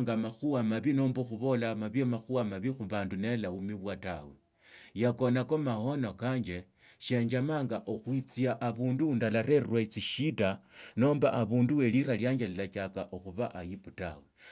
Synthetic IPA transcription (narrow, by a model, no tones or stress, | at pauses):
ŋɡamaxuwamaβinoːmboxuβo̞lamaβiemaxuwamaβixuβaːndune̞laumiβwatawe | jako̞nakomaho̞no̞kaːɲd͡ʒe̞ | ʃe̞ɲd͡ʒamaːŋɡaʔoxwit͡siaʔːβuːnduundalaɾe̞rwat͡siʃitano̞ːmbaʔaβuːnduwe̞liɾaljaːɲd͡ʒelilat͡ʃakaʔoxuβaʔajiputa̰we